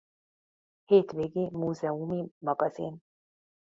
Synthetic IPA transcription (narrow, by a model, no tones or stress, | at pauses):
het̪beɡimuzɛumimɑɡɑzḭn